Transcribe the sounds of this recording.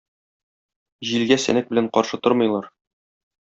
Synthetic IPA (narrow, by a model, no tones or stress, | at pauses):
ʑilɡæsæ̰næk̚bɘ̆læɴqɒɾʃɤt̪oɾmɤ̆jlˠɑɾ